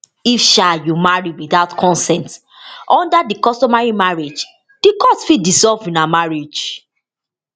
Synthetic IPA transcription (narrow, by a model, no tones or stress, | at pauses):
ifʃajumaɹiwiðaʊtkʰɔ̃nsɛ̃nt | ʔɔ̃ndadikɔstɔmaɹimaɹed͡ʒ | d̥ikɔstfidizɔlvĩnamaɹid͡ʒ